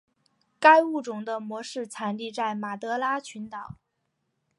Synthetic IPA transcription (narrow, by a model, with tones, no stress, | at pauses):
ka˥ɪu˥˩ʈ͡ʂʊ˨˩ŋd̪ə˦mwɔ˧˥ʂɻ̩˥˩t͡sʰa˧˥nli˥˧t͡sa˥˩ɪma˨˩t̪ɤ˧˥la˥t͡ɕʰy˧˥nt̪ɑ˨˩˦ʊ